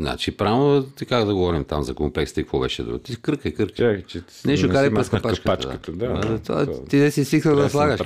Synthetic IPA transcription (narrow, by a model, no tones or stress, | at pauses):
zna̰t͡ʃipɾavot̪ikaɡd̪ɐɡovɔɾimt̪a̰mzɐkomplɛkst̪əikɐkvɔbɛʃɛ̰d̪ṵt̪ikəɾkəjkəɾkt͡ʃɛ | nɛʃt̪okalipɾɛskɐpat͡ʃkkəat͡ʃd̪a̰t̪d̪at̪a̰t̪id̪ɛsisixəd̪ɐslˠaɡəʃ